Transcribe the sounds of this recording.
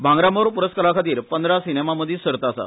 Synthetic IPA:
bʱãŋɡɾamoɾpuɾəskəlakʰət̪iːɾpənd̪ɾasinemaməd̪ʱisəɾt̪asa̰

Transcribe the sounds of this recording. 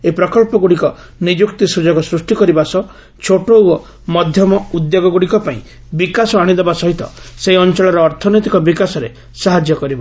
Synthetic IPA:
epɾɔkɔlpɔɡuɽikɔ | nid͡ʒukt̪isud͡ʒɔɡɔsɾusʈikɔɾibasɔ | t͡ʃʰoʈowɔ | mɔd̪ʱjɔmɔud̪joɡɔɡuɽikɔpaḭ̃ | bikasɔaɽ̃id̪ebasɔɦit̪ɔ̰seiɔnt͡ʃɔɭɔɾɔːɾt̪ʰɔnɔjt̪ikɔbikasɔɾe | saɦad͡ʒjɔkɔɾibɔ

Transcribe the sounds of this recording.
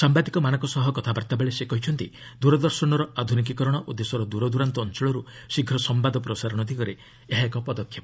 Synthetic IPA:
sambad̪ikɔmanɔ̃kɔsɔɦɔkɔt̪ʰabaɾt̪abeɭesekɔɦit͡ʃʰɔnt̪i | d̪uɾɔd̪ɔɾsɔɽ̃ɔɾɔad̪ʱunik̬ikɔɾɔɽ̃ɔʔud̪ːesɔɾɔd̪uɾɔd̪uɾant̪ɔːnt͡ʃɔɭɔɾusiɡʱːɔsɔmbad̪ɔpɾɔsaɾɔɽ̃ɔd̪ʱikɔɾe | eɦaekɔpɔd̪ɔkʰːjɔp

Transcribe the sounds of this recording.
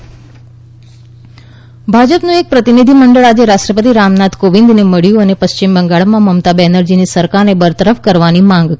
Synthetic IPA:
bʱad͡ʒəpnũek̚pɾət̪inid̪ʱiməɳɖəɭad͡ʒeɾaʃʈɾəpət̪̬iɾamnat̪koʋɪnd̪neməɭjũənepəʃt͡ʃimbəŋɡaɭmãməmt̪abenəɾd͡ʒinisəɾkaɾnebəɾt̪əɾəfkəɾʋanimãŋɡ

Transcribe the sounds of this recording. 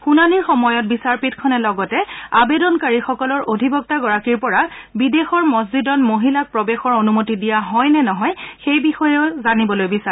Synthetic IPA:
xunaniɹxɔmɔjɔt̚bisaɹpitkʰɔnɛlɔɡɔtɛabedɔnkaɹixɔkɔlɔɹʔodʱibɔk̚taɡɔɹakiɹpɔɹabidexɔɹmɔzzidɔnmoɦilak̚pɹɔbexɔɹonumotidijaɦɔjnɛnɔɦɔjxejbixɔjɛʊzanibɔlojbisa

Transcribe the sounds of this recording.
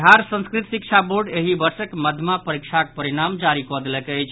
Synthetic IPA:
ɦaɾsə̃skɾit̪sik̚t͡ʃʰaboɾɖeɦibəɾsəkməd̪ʱmapəɾik̚t͡ʃʰak̚pəɾiɽamd͡ʒaɾikɔd̪elɛkəjt͡ʃʰ

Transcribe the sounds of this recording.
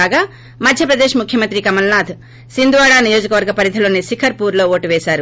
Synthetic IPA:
aːɡaː | mɐd̪ʱjɐpɾɐd̪eːʃmukʰjɐmɐnt̪ɾikɐmɐlnaːd̪ | sind̪uʋaːɽaːnijo̞ːd͡ʒɐkɐʋɐɾɡɐpɐɾid̪ʰʱilo̞ːnisikʰɐɾpuːɾlo̞ːoːʈuʋɛːʃaːɾu

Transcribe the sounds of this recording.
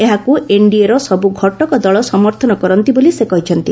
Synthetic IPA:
eɦakueɳɖieɾɔsɔbuɡʱɔʈɔkɔd̪ɔɭɔsɔmɔɾt̪ʰɔnɔkɔɾɔnt̪ibolisekɔɦit͡ʃʰɔnt̪i

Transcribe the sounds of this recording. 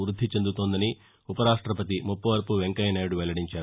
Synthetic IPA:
ɾud̪ʱːit͡ʃend̪ut̪oːnd̪ɐni | upɐɾaːʂʈɾɐpɐt̪̬imupːɐʋɐɾpuʋeŋkɐjɐnɐːjɽuʋɛlːɐɽiɲt͡ʃaːɾu

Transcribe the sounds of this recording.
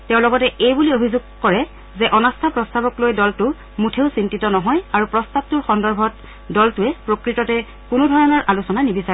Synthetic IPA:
tɛʊ̃lɔɡɔtɛʔejbuliobʱizʊɡ̚kɔɹɛ | zɛʔɔnastʰapɹɔstabɔklojdɔltʊ | mutʰeʊsintitɔnɔɦɔjaɹupɹɔstab̚tʊɹxɔndɔɹbʱɔt | dɔltuɛpɹokɹitɔtɛ | kʊnʊdʱɔɹɔnɔɹʔalusɔnanibisaɹɛ

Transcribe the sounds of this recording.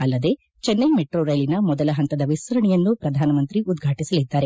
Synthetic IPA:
ɐlːɐd̪e̞ | t͡ʃɛnːɐjmeʈɾoːɾɐjlinɐmɔd̪ɐlɐɦɐnt̪ɐd̪ɐʋisʋɐɾɐɳɛjɐnːupɾɐd̪ʱaːnɐmɐnt̪ɾiʔud̪ɡʱaːʈisɐlid̪ːaːɾe

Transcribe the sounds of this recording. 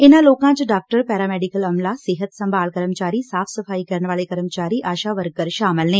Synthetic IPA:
ɪnãloːkãt͡ʃɖaːk̚ʈəɾpɛːɾaːmɛːɖikəlɐmlasɪɦət̪sɐ̃mbʱaːlkɐɾəmt͡ʃaːɾisaːfʰsɐfʰaːikɐɾɳʋaːlekɐɾəmt͡ʃaːɾiʔaːʃaʋəɾɡ̚ɡəɾʃaːməlnẽː

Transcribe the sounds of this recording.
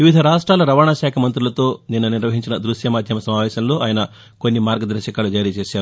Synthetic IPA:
ʋiʋid̪ʱɐɾaːʂʈɾaːlɐɾɐʋaːɳaːʃaːkʰɐmɐnt̪ɾulɐt̪o̞ːninːɐniɾʋɐɦiɲt͡ʃinɐd̪ɾuʃjɐmaːd̪ʱjɐmɐsɐmaːʋɛːʃɐmlo̞ːʔaːjɐnɐ | konːimaːɾɡɐd̪ɐɾɐʃɐkaːlud͡ʒaːɾijɐt͡ʃeːʃaːɾu

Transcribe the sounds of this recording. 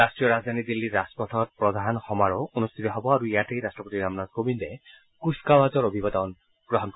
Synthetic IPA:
astɹijɔɾazd̪ʱanid̪ilːiaspɔtʰɔt̚pɹɔd̪ʱanxɔmaɾɔonust̪ʰit̪ɔɦɔbɔaɾuijatejɾasʈɔpot̪iɾamnazkobinde | kuskawazɔɾobʱibɔd̪ɔn | ɡ̥ɔɦɔnkɔ

